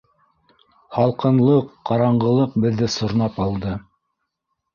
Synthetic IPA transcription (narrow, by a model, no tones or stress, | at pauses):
hɑlˠqɤ̆nlˠɤqːɑɾɑɴɢɤ̆lˠɤq̚bɘ̆ðːɘsŏɾnɑpɑlˠd̪ɤ